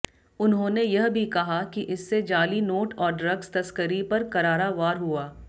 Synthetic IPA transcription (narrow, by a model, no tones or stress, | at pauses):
ʊnɦõːnejɐɦbʱikɐɦakiʔɪsːed͡ʒaːlinoːʈɔːɾɖɾɐɡst̪ɐskəɾipɐɾkɐɾaːɾaʋaːɾɦuaː